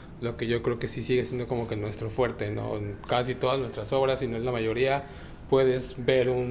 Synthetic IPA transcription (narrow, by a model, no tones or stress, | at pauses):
lo̞ke̞ʝo̞kɾe̞oke̞sisiɣesjend̪o̞ko̞moke̞nwe̞st̪ɾo̞fwe̞ɾt̪e̞no̞̰nkasit̪o̞ðaznwe̞st̪ɾaso̞βɾasinoenlamaʝo̞ɾia | pwe̞ðe̞zbe̞ɾun